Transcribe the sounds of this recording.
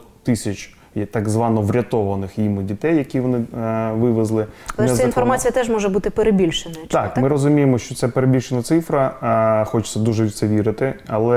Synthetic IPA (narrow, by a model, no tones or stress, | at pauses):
t̪ɪsʲɐt͡ʃ | jt̪ɐɡzʋɑnɔʋɾʲɐt̪ɔʋɐnɪxjimʊdʲit̪ɛjːɐkʲiʋɔnɪʋɪʋɪzlˠɪɐlˠɛɛinfɔrmɑt͡sʲijɐt̪ɛʒmɔʒɛbut̪ɪpeɾebʲilʲʃenɐt̪ɑkmɪɾɔzʊmʲijemɔʃt͡ʃɔt̪sɛpeɾebʲilʲʃenɐt̪sɪfɾɐxɔt͡ʃɪ̥t͡sʲsʲɐd̪uʒɛsɛʋʲiɾɪt̪ɪɐlˠɛ